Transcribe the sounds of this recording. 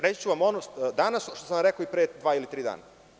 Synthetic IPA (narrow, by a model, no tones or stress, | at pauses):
ɾet͡ɕt͡ɕuʋamo̞nod̪anasʃt̪osamɾekoipɾed̪ʋaːilit̪ɾiːd̪a̰ːna